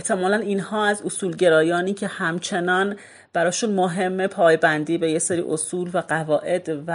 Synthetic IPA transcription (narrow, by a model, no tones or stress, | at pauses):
eht̪ʰe̞mɒːlæniːnhɒːæzosuːlɟe̞ɾɒːjɒːniːcʰe̞hæmt͡ʃʰe̞nɒːn | b̥æɾɒːʃuːnmoɦe̞mːepʰɒːjbænd̪iːbe̞jeseːɾḭːʔosuːlvæɢævɒːʔe̞d̪̥væ